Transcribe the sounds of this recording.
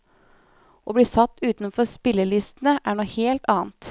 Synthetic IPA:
ʔoːbliːsɑt̪ːʉːt̪nfɔɾspɪlːəlɪst̪n̩əʔæːɳuːheːlt̪ʰɑːnt̪

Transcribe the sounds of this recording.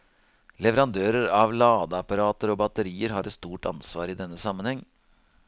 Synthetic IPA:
lɛʋəɾɑnd̪øːɾəɾɑʋlɑːd̪əɑpɑɾɑːt̪əɾɔbɑt̪əɾiːəɾɦɑːɾɛt̪st̪uːʈɑ̰nsʋɑ̰ːɾɪd̪ɛnːəsɑmːənhɛŋː

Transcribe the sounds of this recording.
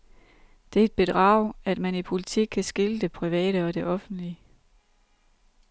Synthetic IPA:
d̥e̝æɐe̝d̥̚b̥e̝d̥ʁɑ̰̈ːʊæd̥mænipʰo̝lit͡sʰiɡ̥̚kʰːæsɡ̥eləd̥e̝pʰʁiʋɛ̰ːɾəɒ̽d̥e̝ʔɒ̽fn̩d̥li

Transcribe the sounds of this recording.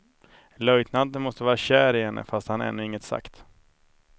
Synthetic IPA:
lœjt̪nand̪ənmɔst̪əvɑːɾaɕæːɾɪɦɛnːʔə̰fast̪hanɛ̰nːɵɪŋːət̪sa̰kt̪

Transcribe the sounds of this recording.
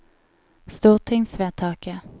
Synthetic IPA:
st̪uːʁt̪ʰɪŋsveːt̪ʰɑːkə

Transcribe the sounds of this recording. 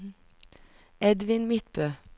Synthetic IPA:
ɛd̪ʋɪnmɪt̪bøː

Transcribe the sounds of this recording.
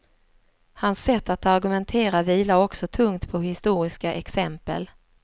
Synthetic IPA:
hansːɛt̪ːat̪aɾɡɵmɛnt̪ʰeːɾaviːlaɔksɔt̪ʰɵŋt̪pʰɔhɪst̪uːɾɪskaʔɛksɛmpə̰l

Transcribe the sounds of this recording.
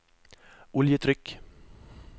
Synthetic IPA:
ʔʊljət̪ʰɾʏk

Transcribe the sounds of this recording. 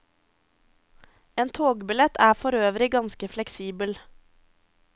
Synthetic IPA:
eːnt̪ʰoːɡbɪlɛt̪æːfɔɾøːʋɾɪɡɑnskəflɛksiːbəl

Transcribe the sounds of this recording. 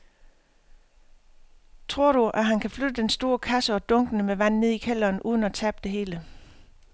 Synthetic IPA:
t͡sʰʁo̝ɐ̰ɾ̥uʔæɦænkʰæflød̥əd̥ensd̥o̝ːɐkʰæsəɒ̽d̥ɔ̽ŋɡ̥ənəmeʋæn̰ne̝ð̞̰ˠikʰel̰ɐːnʔuːð̞ˠən̩æt͡sʰæb̥̚d̥e̝ɦe̝ːlə

